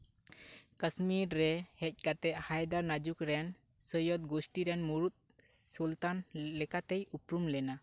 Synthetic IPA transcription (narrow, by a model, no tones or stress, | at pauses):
kəsmiɾːɛhɛc̚ˀkat̪ɛʔ̪̚hajd̪aɾnad͡ʒukɾɛn | səjɔt̪̚ɡosʈiɾɛnmuɾut̪̚ | sult̪anlɛkat̪ejupɾumlɛna